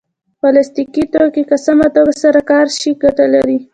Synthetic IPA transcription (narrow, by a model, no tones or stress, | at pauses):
bɑlast̪ikit̪okikasamat̪oɡasaɾakɑɾʃiɡaʈalaɾi